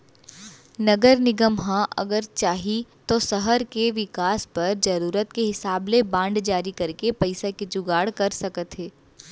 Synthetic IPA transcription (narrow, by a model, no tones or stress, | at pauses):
nɐɡəɾnɪɡəmɦãʔɐ̰ɡəɾt͡ʃaːɦit̪osɐɦəɾkeʋɪkaːspɐɾd͡ʒɐɾuːɾət̪̚keɦɪsaːblebãːɳɖd͡ʒaːɾikɐɾkepɐɪsaked͡ʒʊɡaːɽkɐɾsɐkət̪ɦɛː